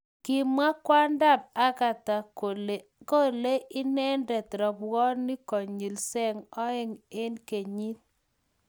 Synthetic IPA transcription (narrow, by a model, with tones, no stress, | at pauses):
kɪ˨mwa˦kwa˦nda˦˨p̚a˦ka˨ta˨ol | ko˦˨le˦ʔɪ˦nɛ˦ndɛ˨t̪ɾɔ˨bɔ˦ni˦kɔ˨ɲi˨lsɛ˦ŋɔ˦ɪ˦ŋe˦nke˨ɲi˦t̪̚